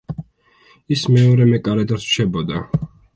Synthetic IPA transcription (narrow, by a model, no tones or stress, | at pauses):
ismɛɔɾɛmɛkʼaɾɛd̪at̪ʃɛbɔd̪a